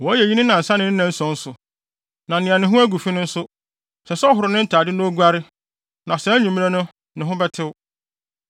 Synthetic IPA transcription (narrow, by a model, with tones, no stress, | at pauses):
wɔ˨˦jɛ˨ji˦nʊ̃˦nã˨n̩˨sã˦nɪ̃˦n̩˦nã˨n̩˦sɔ̃˨˦n̩˦sʊ˨ | nã˨nɪ̃˨ã˨nɪ̃˨ɦʊ̃˦æ˦ɡu˨fi˦nʊ̃˦n̩˦sʊ˦ | sɛ˨sɔ˦ɦʊ˨ɾʊ˨nɪ̃˦n̩˦tʰaː˨dɪ˦nʊ̃˦ɔ˦ɡu˦a˦ɾɪ˦ | nã˨sɛ˨˦ɲũ˨mĩ˦ã˦nʊ̃˦ | nɪ̃˨ɦʊ̃˦bɛ˦tʰɪ˦wʊ˦